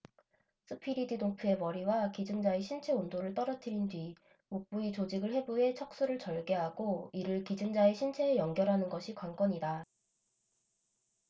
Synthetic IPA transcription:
s͈ʰɯpʰiɾidɯdoŋpʰue̞mʌɾiwakid͡ʑɯŋd͡ʑaeɕʰint͡ɕʰe̞ondoɾɯɭt͈ʌɾʌtʰɯɾindwɥi | mok̚p͈uit͡ɕod͡ʑiɡɯɭhe̞boɦe̞t͡ɕʰʌk̚s͈uɾɯɭt͡ɕʌɭɡe̞ɦaɡ̥oiɾɯɭkid͡ʑɯŋd͡ʑaeɕʰint͡ɕʰe̞ːjʌŋɡjʌɾɦanɯnɡʌɕʰikwank͈ʌɲida

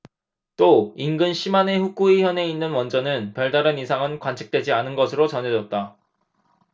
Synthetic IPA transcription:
t͈oinɡɯnɕʰimane̞ɸuk͈uiçjʌne̞inːɯnwʌnd͡ʑʌnɯnpjʌɭdaɾɯnisʰaŋɯnkwant͡ɕʰi̥k̚t͈we̞d͡ʑianɯnɡʌsʰɯɾot͡ɕʌnɦe̞d͡ʑʌt̚t͈a

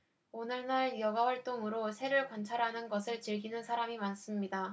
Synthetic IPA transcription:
onɯɭnaɭjʌɡawaɭt͈oŋɯɾosʰe̞ɾɯɭkwant͡ɕʰaɾɦanɯnɡʌsʰɯɭt͡ɕɯɭɡinɯnsʰaɾamimans͈ɯmɲida

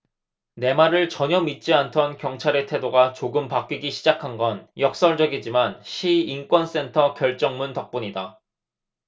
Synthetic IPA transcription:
ne̞maɾɯɭt͡ɕʌɲʌmit̚t͡ɕ͈iantʰʌnkjʌŋt͡ɕʰaɾetʰe̞doɡat͡ɕoɡɯmpak͈iɡiɕʰid͡ʑakʰanɡʌnjʌk̚s͈ʌɭd͡ʑʌɡid͡ʑimanɕʰiːnk͈wʌns͈e̞ntʰʌkjʌɭt͡ɕ͈ʌŋmuntʌk̚p͈uɲida

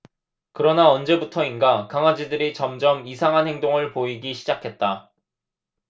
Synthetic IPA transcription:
kɯɾʌnaʌnd͡ʑe̞butʰʌinɡakaŋwad͡ʑidɯɾit͡ɕʌmd͡ʑʌmisʰaŋɦanhe̞ŋdoŋɯɭpoiɡiɕʰid͡ʑakʰe̞t̚t͈a

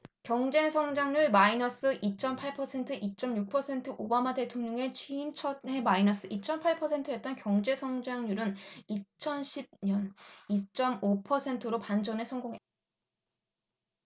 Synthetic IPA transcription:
kjʌŋd͡ʑe̞sʰʌŋd͡ʑaŋɲuɭmainʌs͈ɯʔit͡ɕ͈ʌmpʰaɭpʰʌsʰe̞ntʰɯʔit͡ɕ͈ʌmjuk̚pʰʌsʰe̞ntʰɯʔobamate̞tʰoŋɲʌŋe̞t͡ɕʰɥiːmt͡ɕʰʌdɦe̞mainʌs͈ɯʔit͡ɕ͈ʌmpʰaɭpʰʌsʰe̞ntʰɯjet̚t͈ʌnkjʌŋd͡ʑe̞sʰʌŋd͡ʑaŋɲuɾɯnit͡ɕʰʌnɕʰib̚ɲʌnit͡ɕ͈ʌmopʰʌsʰe̞ntʰɯɾopand͡ʑʌnesʰʌŋɡoŋɦet͈̚a

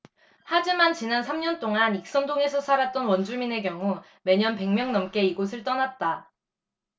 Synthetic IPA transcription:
had͡ʑimant͡ɕinansʰamɲʌnt͈oŋanik̚s͈ʌndoŋe̞sʰʌsʰaɾat̚t͈ʌnwʌnd͡ʑumine̞kjʌŋu | me̞ɲʌnpe̞ŋmjʌŋnʌmk͈e̞iɡosʰɯɭt͈ʌnat̚t͈a

